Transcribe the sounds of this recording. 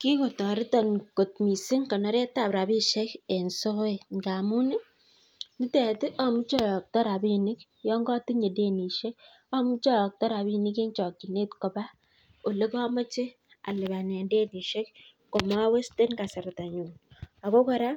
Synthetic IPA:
ki˦ko˨tɔ˨ɾɪ˦tɔ˨nko˨t̚mi˨sɪ˦ŋkɔ˨nɔ˦ɾe˦ta˦˨bɾa˨bi˦ʃe˦ke˨nso˦e˨ŋɡa˨mu˦nɪ˦ | ni˦tɛ˨tɪ˦ʔɔ˦mu˦t͡ʃɔ˦˨jɔ˨k̚tɔ˦ɾa˨bi˦nɪ˦k | jɔ˦ŋɡɔ˦ti˦ɲe˨de˦ni˨ʃe˦k | ɔ˦mu˦t͡ʃɔ˦jɔ˨k̚tɔ˦ɾa˨bi˦nɪ˦ke˦nt͡ʃɔ˨kːi˨ne˦tkɔ˨ba˦ | o˨le˦kɔ˦mɔ˦t͡ʃe˦ | a̰˨lɪ˨ba˨nɛ˨nde˦ni˨ʃe˦k | ko˨ma˦we˦ste˦nka˨sa˨ɾa˨ta˨ɲu˨a˨ko˦kɔ˦ɾa˦

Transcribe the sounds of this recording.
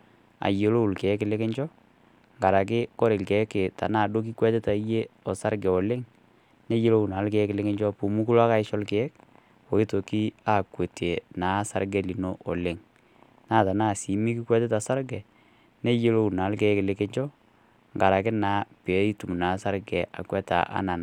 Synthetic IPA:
a̰˨je˨lo˦u˨lkɛ˨˦kɪ˨lɪ˦kɪ˦ɲt͡ʃɔ˦ | ŋɡa˨ɾa˨k̬ɪ˦kɔ˦ɾɪ˨lkɛ˨˦kɪ˨ta̰˨na˦˨do˦k̬i˦kwɛ˦tɪ˦ta˨˦je˦ɔ˨sa˦ɾɡɛ˨ɔ˨lɪ˦ŋ | ne˦je˦lo˦u˨na˨˦lkɛ˨ɛ˦klɪ˦kɪ˦ɲd͡ʒɔ˦pu˨mu˦ku˦la˦ka˦ɪ˦ʃɔ˦lkɛ˦ɛ˦k̚ | o˨i˦to˨ki˦a˦˨kwe˨te˨naː˨˦sa˦ɾɡɛ˦li˨no˦ʔɔ˨lɪ˦ŋ | naː˦˨ta˨naː˦˨si˨mi˦ki˦kwɛ˦tɪ˦ta˨sa˦ɾɡɛ˨ | ne˦je˦lo˦u˨naː˨˦lkɛ˨˦kɪ˨lɪ˨kɛ˦ɲt͡ʃɔ˦ | ŋɡa˨ɾa˨kɪ˦na˨˦pe˨˦i˦tu˨m˨na˨˦sa˦ɾɡɛ˨ʔa̰˨kwɛ˦ta̰˨ʔa̰˦na˨n˨

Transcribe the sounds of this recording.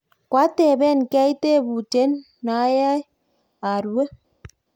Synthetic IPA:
kwa˦tɛ˨bɛ˦˨nka˦i˦te˦˨bu˨t͡ʃɛ˦nː | a˨˦ja˦ | a˨ɾwe˦

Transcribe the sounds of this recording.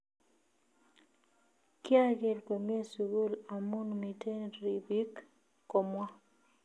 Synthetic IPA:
kɪ˦a˦ɡe˦˨lko˨m˦e˦su˨ɡu˦la˨mu˦nmi˨tʰe˦nɾi˨bi˦kː | o˨mwa˦

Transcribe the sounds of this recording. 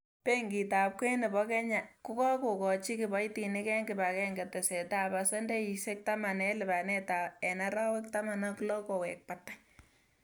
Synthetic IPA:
pe˦ŋɡi˨ta˨p̚ke˦nɪ˨bɔ˦kɛ˦ɲa˨kʊ˦kɔ˦ko˨kɔ˨t͡ʃi˦kɪ˨bɔ˨˦iti˨nɪ˦kɛ˦ŋɡɪ˨ba˨kɛ˦ŋɡe˨te˨se˨ta˦˨pa˨sɔ˦nde˦i˨se˦k̚ta˦ma˨nɛ˦lɪ˨ba˨ne˦ta˨ɛ˨naɾa˦we˦k̚ta˦ma˨nɔ˦klɔ˦ko˨we˨k̚pa˨tːa˦j

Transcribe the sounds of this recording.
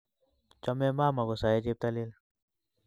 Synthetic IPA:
t͡ʃɔ˦me˦maː˦ma˨ɡo˨sa˨je˦d͡ʒe˦p̚t̪a˦le˦l

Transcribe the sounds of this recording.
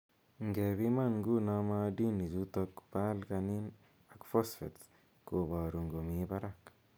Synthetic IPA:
ŋɡe˨bi˦ma˦˨ŋɡu˦na˦ma˦di˦ni˨d͡ʒu˦t̪o˧kpa˦lka˧ni˦n | a˨kfo˦sfḛ˨t | ko˨ba˨ɾu˨ŋɡo˨mi˨ba˦ɾak

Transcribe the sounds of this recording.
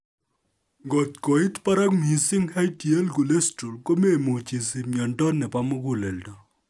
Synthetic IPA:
ŋɡɔ˨tko˨i˦tpa˦ɾa˦kmi˨sɪ˦ŋha˦jti˨e˦lɡu˨le˦stɾu˨lko˦me˦˨mo˨t͡ʃi˨si˨mjɔ˨ndɔ˦nːɛ˨pa˦mo˦ɡu˦lɛ˨ldɔ˨

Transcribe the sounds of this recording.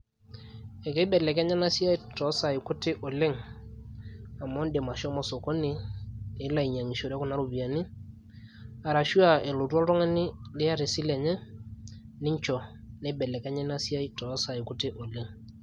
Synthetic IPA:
ɛ˨ke˦bɛ˨lɛ˨kɛ˦ɲɛ˦na˦si˦a˦i˦tɔ˨˦sa˨i˨kʊ˦tɪ˦ʔo˨le˦ŋ | a˨mɔ˦nde˨ma˨ʃɔ˦mɔ˨so˨ko˦ni˦ɪ˨˦la˨i˨ɲa˨ŋi˨ʃo˨ɾɛ˦ku˦na˦ɾu˨bi˨a˨ni˦ | a˨ɾa˨ʃu˦a˨e˨lo˨tu˦ɔ˦ltɔ˦ŋɛ˦nɪ˦lɪ˦ja˦ɾe˨sɪ˦lɛ˨ɲɛ˦ | nɪ˦ɲt͡ʃɔ˨ | nɛ˨˦bɛ˨lɛ˨kɛ˦ɲɛ˦na˦si˦a˦i˦tɔ˨˦sa˨i˨kʊ˦tɪ˦ʔo˨le˦ŋ

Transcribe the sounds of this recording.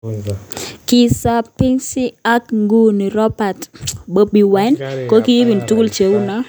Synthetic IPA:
kɪ˨sa˦pi˦ŋsi˦a˦kŋɡu˦ni˨ɾɔ˦pa˨tbo˦bi˨wa˨˦nko˦ki˦ji˦bi˨ntu˦ku˦lt͡ʃe˨wu˦na˦

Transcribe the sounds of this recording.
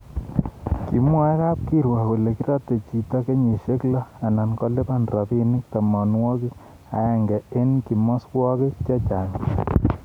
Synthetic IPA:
ki˨mwɔ˦ɛ˦ka˦p̚ki˦ɾwa˨ku˨le˨ki˦ɾɔ˦te˨t͡ʃi˨ta˦ke˦ɲe˨ʃe˦klɔ˦a˨na˨nkɔ˦le˦pa˦nrɔ˨pi˦ni˦k̚ta˨mɔ˨nwɔ˦ki˦ | a̰˨ɛ˨ŋɡɛ˨e˦nki˨mɔ˦swɔ˦ki˦t͡ʃe˦t͡ʃa˨ɲ

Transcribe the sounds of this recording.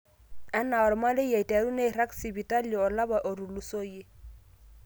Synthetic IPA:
a˦na˨ɔ˨ɾma˦lɪ˦ja˨i˨ta˨ɾu˦ne˦˨ɾa˦ksi˨bi˨ta˦ljɔ˨ɔ˨la˦ba˨ʔo˨ɾu˨lu˦so˦je˦

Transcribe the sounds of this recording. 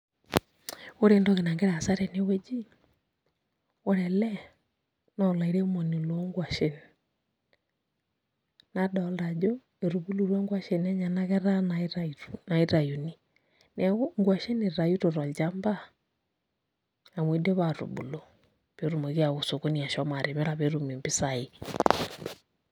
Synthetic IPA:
o˦ɾe˨ndo˦ke˨na˨ŋɡe˦ɾa˨sa˦ɾɛ˨ne˦we˦d͡ʒi˦ | o˦ɾɛ˨lɛ˦ | nɔ˦la˨i˨ɾe˦mo˨ni˨lo˦ŋɡwa˨ʃe˦n | na˨dɔ˨lda˨d͡ʒo˦ | e˨ɾu˨βu˦lu˦˨ɾwa˦ŋɡwa˦ʃe˨nɛ˦ɲa˨na˦ɣɛ˦ɾa˦nana˨i˦ɾa˨ju˨ni˦ | nɛ˨˦ŋɡwa˨ʃe˦ne˨ɾa˨ju˦ɾo˨ɾa˨lt͡ʃa˦mba˦ | a˨mwi˦de˦βa˨ɾṵ˨bṵ˨lo˨ | β̥e˨˦ɾu˨mo˨ɣja˨ɣo˨so˨ko˦ni˨a˨ʃɔ˦ma˨ɾe˨mɛ˦ɾa˨βe˦ɾu˨me˨mbi˦sa˨i˦

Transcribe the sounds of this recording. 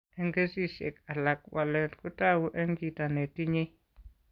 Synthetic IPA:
e˦ŋɡe˦si˦ʃḛ˨ka˨la˨k̚wa˨lɛ˨tku˦ta˦wu˦ʔe˦ŋɡi˦ta˨ne˨ti˦ɲi˦

